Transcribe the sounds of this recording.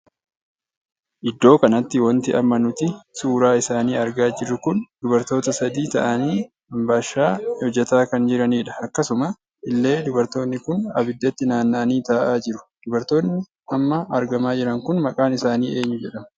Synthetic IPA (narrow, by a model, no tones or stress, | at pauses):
ʔɪd̪ːo̞ːkɐnɐt̪ːɪwɐnt̪ɪʔɐmːɐnʊt̪ɪsuːɾaːɪsaːniːɐɾɡaːd͡ʒɪrːʊkʊnd̪ʊbɐɾt̪o̞ːt̪ɐsɐd̪iːt̪ɐ̰ʔɐniː | ɐmbaːʃːaːhɔd͡ʒːɛt̪aːkɐnd͡ʒɪɾɐniːᶑɐɐkːɐsʊmɐ | ɪlːe̞ːd̪ʊbɐɾt̪o̞ːnːɪkʊnɐ̰bɪd̪ːɐt̪ːɪnaːnːaniːt̪aːʔaːd͡ʒɪɾʊ̥d̪̥ʊbɐɾt̪o̞ːnːɪ | ɐmːɐːɾɡɐmaːd͡ʒɪɾɐŋkʊnmɐkʼaːnɪsaːniːʔe̞ːɲːʊd͡ʒɛᶑɐm